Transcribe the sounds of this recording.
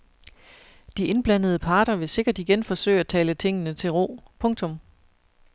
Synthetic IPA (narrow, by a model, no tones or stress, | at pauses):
d̥iʔe̝nb̥læn̰ð̞̩ˠəpʰɑ̈ːd̥ɐʋe̝se̝ɡ̥ɐd̥iɡ̥enfɒ̽sø̰ɪ̰æt͡sʰɛːlət͡sʰeŋ̰ənət͡sʰe̝lʁo̝̰ːpʰɔ̽ŋt͡sʰɔ̽m